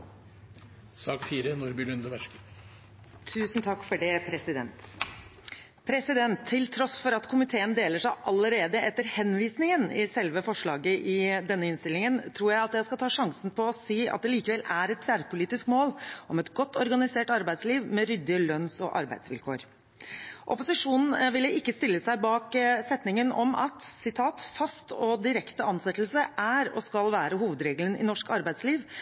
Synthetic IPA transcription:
sɑːkfiːɾənʊɾbɪlʉnd̪əʋæʂkə | t̪ʰʉːsnt̪ʰɑkːfɔɖɛpʰɾɛsɪd̪ɛ̰nt̪ | pʰɾɛsɪd̪ɛnt̪ʰːɪlt̪ʰɾɔsfɔɾɑt̪kʰʊmɪt̪ʰeːənd̪eːləʂæɪʔɑləɾeːd̪əʔɛt̪ːəɾhɛnːʋiːsnɪŋənɪsɛlʋəfɔʂɭɑːɡəʔɪd̪ɛnːəɪnst̪ɪlɪŋənt̪ʰɾuːɾjæɪɑt̪jæɪskɑt̪ʰɑːʂɑŋsn̩pʰɔːsiːʔɑ̰t̪̚d̪ɛliːkəʋɛlæɾɛt̪ʰːʋɛæɾpʊliːt̪ɪskmoːlʔɔmɛt̪ɡɔt̪ːɔɾɡɑnɪseːʈɑɾbæɪsliːʋmɛɾʏd̪ːɪəlœnsɔ̰ʔɑ̰ɾbæ̰ɪsʋɪ̰lkʰo̰ːɾ | ʔɔ̰pʊsɪʂuːnn̩ʋɪlːəɪkːəst̪ɪlːəsæɪbɑːksɛt̪nɪŋənɔ̰mʔɑ̰t̪sɪt̪ʰɑːt̪fɑst̪ɔd̪ɪɾɛkt̪əɑnsɛt̪ːl̩səʔæɾɔ̰skɑlʋæːɾəɦuːʋəd̪ɾeːɡlənɪ̰nɔʂkɑɾbæɪd̪sliːʋ

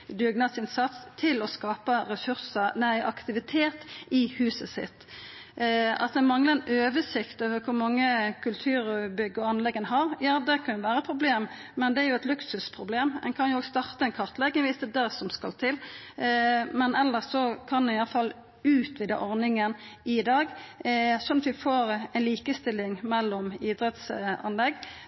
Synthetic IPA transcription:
d̪ʏɡnɑsɪnsɑt̪st̪ʰɪlɔskɑːpəɾɛsʉʁsənæɪʔɑkt̪ɪʋɪt̪ʰeːt̪ɪhʉːsəsɪ̰t̪ː | ɑ̰t̪d̪ɛmɑŋləɛnʔøːʋəsɪkt̪oːʋəɾkʰʊɾmɑŋːəkʰʉlt̪ʰʉːɾbʏɡːəɔɑnlɛɡːənɦɑɾjɑːd̪ɛkʰɑnjʊʋæːɾəpʰɾʊbleːm | mɛnd̪ɛæɾjʊɛt̪lʉksʉspʰɾʊbleːmɛ̰nkʰɑnjʊoːɡst̪ɑʁt̪əɛɪnkʰɑʁt̪lɛɡːɛʋɪst̪əd̪æsɔmskɑ̰lt̪ʰɪlː | mɛnɛlːəsɔkʰɑnɛnɪjɑləfɑlː | ʉːt̪ʋɪd̪ɛ̰ʔɔɾnɪŋənɪd̪ɑːɡ | sɔnːɑt̪ʋɪfoːɾɛɪnliːkəst̪ɪlːɪŋmɛlːɔmid̪ɾɛt̪sɑ̰nlɛɡː

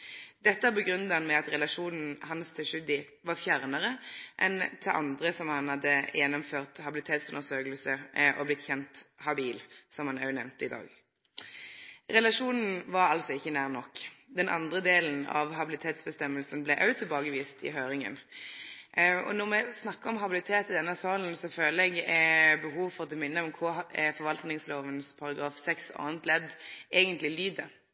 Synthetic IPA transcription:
d̪̥ɛt̪ːəæbəɡʁʉnd̪ɑnmɛɑt̪ʁɛlɑʂuːnn̩hɑnst̪ʰɪʃʉd̪ɪ | ʋɑʁfjæʁnəʁəʔɛ̰nt̪ʰɪʔɑ̰nd̪ʁəsɔmhɑnhɑd̪ːəjɛnɔmføːʁt̪hɑbɪlɪt̪ʰeːt̪sʉnd̪əʁsøːklsəʔɔblɪt̪ːçɛnt̪hɑbiːlsɔmhɑnɑʉnɛʋnt̪əɪd̪ɑ̰ːɡ | ʁɛlɑʂuːnn̩ʋɑʁɑlsɔɪçːənæːʁnɔkːd̪ɛnʔɑ̰nd̪ʁəd̪eːln̩ɑ̰ʋɦɑbɪlɪt̪ʰeːt̪sbəst̪ɛmːəlsənblɛʔɑʉt̪ʰɪlbɑːɡəʋiːst̪ʰɪ̰ɦøːɾɪŋə̰n | ɔ̰nɔmɛsnɑkːəɔmɦɑbɪlɪt̪ʰeːt̪ɪd̪ɛnːəsɑːln̩sɔføːləɛɡɛbəɦuːʋfɔʁɔt̪ʰɛmɪnːəɔmkʰʊfɔɾʋɑlt̪nɪŋsloːʋənspʰɑʁɑɡʁɑːfsɛksɑ̰ːənt̪lɛd̪ʔeːɡənt̪lɪlyːd̪ə

